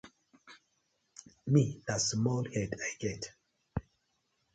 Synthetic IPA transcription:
midasmɔlhɛdajɡɛt

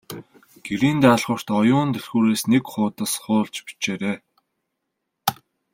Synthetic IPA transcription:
ɡ̥eɾiːnt̪æːɮʁə̆r̥t̪ɔjʊːnt̪ɵrxuːɾeːsnekχʊːt̪ə̆sχʊːɮt͡ɕpi̥t͡ɕeːɾeː

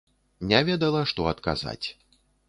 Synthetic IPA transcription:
nʲavʲɛd̪ɐlˠɐʂt̪ɔɐt̪ka̰za̰t͡sʲ

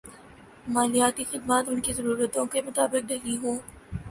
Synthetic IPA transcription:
maːlijaːt̪ixɪd̪maːt̪ʊnkizɐɾuːɾət̪õkemʊt̪aːbɪk̚d̪ɐɦliɦoː

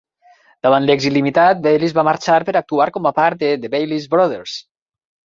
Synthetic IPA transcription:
d̪̥aβant̪lɛɡzilimit̪at̪̚bejlizβamaɾt͡ʃaɾpeɾak̚t̪uaɾkɔmapaɾt̪̚d̪ed̪eβejlizbɾɔðeɾs

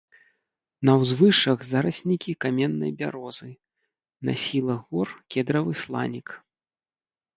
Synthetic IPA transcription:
nɐwzvɨʂɐɣzaɾɐsʲnʲikʲikamʲɛnːɐ̰jbʲa̰ɾɔzɨ | na̰sʲilˠɐɣɔrkʲɛd̪ɾɐvɨslˠa̰nʲik

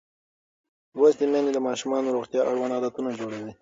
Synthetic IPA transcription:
wast̪emaned̪əmɑʃumɑnoɾoɣt̪jɑʔaɽwɑnɑd̪at̪unad͡ʒoɽawi

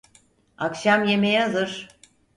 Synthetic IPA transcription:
akʃamje̞mejɛzɯɾ̥

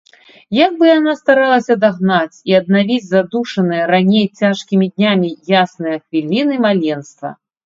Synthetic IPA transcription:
jaɡ̚bɨjanast̪aɾalˠɐsʲɐd̪aɣnat͡sʲiɐd̪̚navʲid͡zʲzad̪uʂɐnɨjɐɾanʲejt͡sʲaʂkʲimʲid̪ʲnʲamʲijasnɨjɐxvʲilʲinɨmalʲɛnst̪vɐ̰

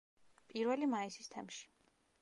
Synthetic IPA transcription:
pʼiɾvɛlimaisist̪ʰɛmʃi̥

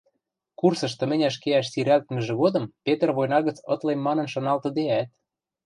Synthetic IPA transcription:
kursɤ̆ʃt̪ɤ̆mɘ̆nʲæʃkeæʃsiɾælt̪mə̆ʒĕɣod̪ɤ̆mpet̪ə̆rβojnɑɣə̆t͡sɤ̰̆t̪lemːɑnɤ̆nʃɤ̆nɑlt̪ɤ̆d̪eæt̪̚

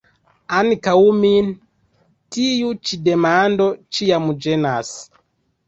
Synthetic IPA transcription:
anikaumin | tijut͡ʃidɛmandɔt͡ʃijamud͡ʒɛnas

